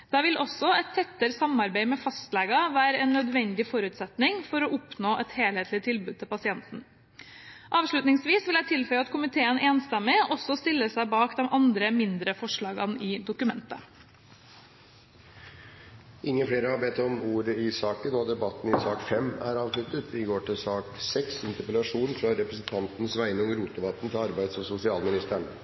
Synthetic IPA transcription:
d̪̥ɑʋɪlʔɔsːɔɛɪt̪ʰːɛt̪ːəɾsɑmɑɾbæɪmɛfɑst̪lɛɡɑʋæːɾəɛːnːœd̪ʋɛnd̪ɪfɔɾʉːt̪sɛt̪nɪŋfɔɾɔʔʊpnoːʔɛt̪heːlheːt̪ʰlɪt̪ʰɪlbʉːd̪̚t̪ʰɪlpɑsɪɛnt̪n̩ | ʔɑːʋʂɭʉt̪nɪŋsʋiːsʋɪlæɪt̪ʰɪlfœʏəɑt̪kʰʊmɪt̪ʰeːəneːnst̪ɛmːɪʔɔsɔst̪ɪlːəsæɪbɑːkd̪ɛmʔɑnd̪ɾəmɪnd̪ɾəfɔʂɭɑːɡɑnɪːd̪ʊkʉmɛnt̪ə̰ | ʔɪŋːəfɽeːɾəhɑbeːt̪ːɔmuːɾəɪsɑːkənɔd̪ɛbɑt̪ːn̩ɪsɑːkfɛmæ̰ɾɑːʋslʉt̪ət̪ʰɪɡoːʈɪlsɑːksɛksɪnt̪əɾpəlɑʂuːnfɾɑɾɛpɾəsn̩t̪ʰɑnt̪nəsʋæɪnɔŋɾuːt̪ʊʋɑt̪ːn̩t̪ʰɪɑɾbæɪd̪sɔsʊsɪɑːlmɪnɪst̪əɳ

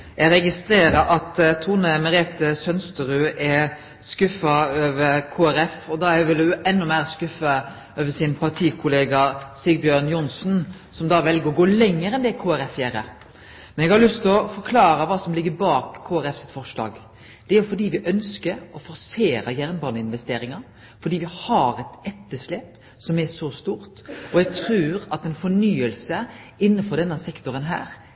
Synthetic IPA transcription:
jɛɡɾɛɡɪst̪ɾeːɾəɾɑt̪t̪ʰːuːnəmɛɾɛt̪ːəsœnst̪əɾʉːʔɛ | skʉfɑøːʋəɾkʰoːæɾɛfɔd̪ɑɛʋɪlʊʔɛnːɔmæːɾskʉfɑ | øːʋəsɪnpʰɑʈʰiːkʰʊleːɡɑsɪɡ̚bjøːnjʊnsn | sɔmd̪ɑːʋɛlɡəɾɔɡoːlɛŋːəɾɛnd̪ɛkʰoːæɾɛfjæːɾə̰ | mɛnɛɡhɑlʉst̪ɔfɔɾkʰlɑːɾəʋɑːsɔmlɪɡːəbɑːkʰːoːæɾɛfsɛt̪fɔɾʂlɑ̰ːɡ | d̪̥ɛæɾfɔɖiːʋɪʔœnskəɾɔfɔɾseːɾɑjæɾnbɑːnəɪnʋɛst̪eːɾɪŋɑ | fɔɖiːʋɪhɑɾɛt̪ɛt̪ːəʂleːp | sɔmɛʂɔst̪uːɾt̪ɔjɛɡt̪ʰɾʉːɾɑt̪ɛnfɔɳyːəlsəɪnːəfɔɖ̪ɛnːəsɛkt̪ʊɾənɦæ̰ːɾ

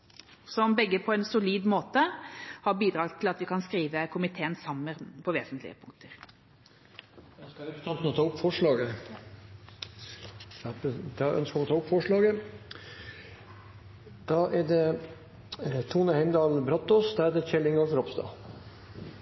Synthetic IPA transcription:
sɔmbɛɡːəpʰɔɛnsʊliːd̪moːt̪əhɑbiːd̪ɾɑːɡt̪ʰɪlɑt̪ʋɪkʰɑnskɾiːʋəkʰʊmɪt̪ʰeːənsɑmːəɾpʰɔʋḛːsənt̪lɪ̰ə̰pʰʊŋkt̪ʰəɾ | ɑskɑɾɛpt̪ɑnt̪n̩ɔt̪ʰɑːʊpːfɔʂɭɑːɡə | d̪ɑʔœ̰nskəʋɔt̪ʰɑːʊpːfɔʂɭɑːɡə | d̪̥ɑʔæɖ̪ɛ | t̪ʰuːnəhæɪmd̪ɑːlbɾɑt̪oːsd̪ɑːæd̪ɛt͡ʃɛlːɪŋɔfɔɾɔpst̪ɑ̰ː

